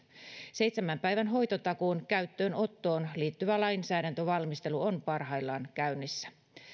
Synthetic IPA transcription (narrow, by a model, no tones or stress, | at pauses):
sejt̪semːæmpæijʋænɦo̞jt̪ot̪ɑkoːnkæyt̪ːøːno̞t̪ːoːnliːt̪ːyʋælɑinsæːɾænt̪øʋɑlmist̪e̞luonpɑrɦɑilːɑːnkæynːisːæ̥